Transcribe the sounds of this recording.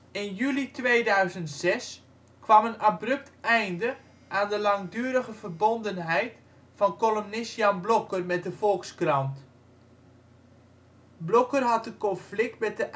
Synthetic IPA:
ɪnjylitʋeːdœɥzəntsɛs | kʋɑmənabrɵp̚tɛjndə | ʔaːndəlɑŋdyːəɾəɣəvərbondənɦɛjt | fɑnkolomnɪsjanblokərmɛt̚dəfɔlˠkskrɑnt | blokərɦɑt̚dəkɔnflɪk̚tmɛt̚dəʔ

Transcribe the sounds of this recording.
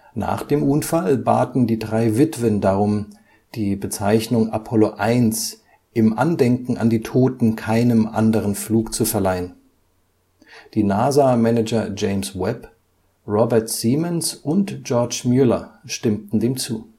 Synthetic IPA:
na̰ːχd̥eːmʔʊnfalba̰ːtn̩diːdʁaɪvɪtv̥əndaʁʊm | d̥iːbət͡saɪçnʊŋapʰɔloʔaɪns | ʔɪmʔa̰ndɛŋkŋ̩a̰ndiːtʰoːtn̩kʰaɪnəmʔa̰ndəʁənfluːkt͡sufɛɐlaɪən | d̥iːnaːzamɛnɛd͡ʒɐd͡ʒeɪmswɛp | ʁɔbɛɐtz̥iːmənsʔʊntd͡ʒ̥ɔɐt͡ʃmjylɐ̰ʃtɪmtn̩deːmt͡sṵː

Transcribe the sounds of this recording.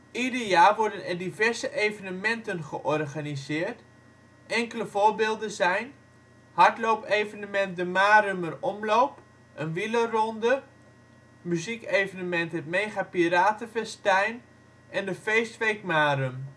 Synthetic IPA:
idəɹjaːrʋɔɹdənɛrdivɛɹzəʔejvənəmɛntənχəʔɔrχanizɪːrt | ɛŋkələvʊːɹbɪːlˠdəzɛjn | hɑɹtlowpejvənəmɛnt̚dəmaːɾømərɔmlowp | ʔənʋilərɔndə | myzikejvənəmɛntɦətmejχapiɾaːtəfɛstɛjn | ʔɛndəfejstʋejkmaːrøm

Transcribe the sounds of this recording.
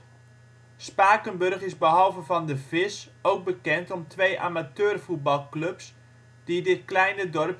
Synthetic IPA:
spaːkənbɵrχɪzbəɦɑlˠvəvɑndəvɪs | owɡ̚bəkɛntɔmtʋejʔa̰ːmatøːrfut̚bɑlˠklɵps | d̥idɪt̚klɛjnədɔrp

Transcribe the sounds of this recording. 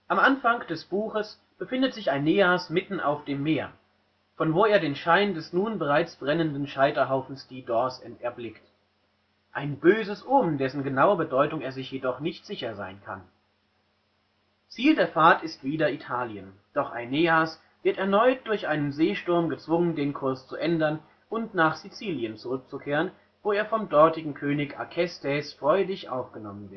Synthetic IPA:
ʔamʔanfaŋkd̥ɛsb̥uːxəs | b̥əfɪndətz̥ɪçaɪneːasmɪtn̩a̰ʊfd̥eːmːeːɐ | fɔnvoːeːɐdeːnʃaɪndɛsnuːnbəʁaɪt͡sb̥ʁɛnəndn̩ʃaɪtɐɦaʊfn̩sd̥iːdɔɐsɛntɛɐblɪkt | ʔaɪnbøːzəsʔoːmn̩dɛsn̩ɡənaʊɐbədɔʏtʊŋeːɐzɪçjedɔχnɪçtz̥ɪçɐza̰ɪnkʰa̰n | t͡siːldeːɐfaɐtɪstv̥iːdɐitʰaːljənd̥ɔχʔa̰ɪnːeːas | v̥ɪɐtɛɐnɔʏt̚d̥ʊɐçʔaɪnənzeːʃtʊɐmɡət͡sv̥ʊŋəndeːnkʰʊɐst͡suʔɛndɐn | ʔʊntnaːχz̥it͡siːljənt͡suʁʏk̚t͡sukʰeːʁən | voːeːɐfɔmdɔɐtɪɡŋ̩kʰøːnɪça̰kʰɛstʰɛsfʁ̥ɔʏdɪçʔa̰ʊfɡ̥ənɔmənvɪɐt

